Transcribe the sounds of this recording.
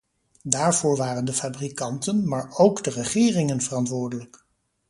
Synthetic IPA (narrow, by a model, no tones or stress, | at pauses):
daːɹv̥ʊːɹʋaːrəndəfaːbrikɑntənmaːɹowɡdərəχɪːrɪŋənvərɑntʋʊːɹdələk